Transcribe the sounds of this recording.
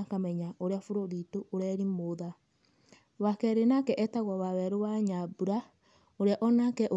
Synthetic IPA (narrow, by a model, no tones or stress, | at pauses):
kamɛɲaʔoɾeafoɾoɾitooɾɛɾimoða | βakɛɾenakɛʔɛtaɣwaβaβɛɾoβaɲabuɾa | oɾeaʔɔnakɛʔo